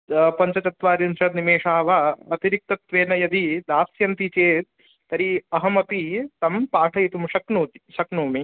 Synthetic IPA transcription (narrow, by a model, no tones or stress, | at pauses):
pɐɲt͡ʃɐt͡ʃɐt̪ʋaːɾjunsɐt̪nimeːʂaːʋɐɐt̪iɾik̚t̪ɐt̪ʋeːnɐjɐd̪id̪aːsjɐnt̪it͡ʃeːt̪̚ː | ɐɾiɐɦɐmɐpit̪ɐmpaːʈʰɐjit̪umʃɐknuːt̪i̥ʃɐknuːmi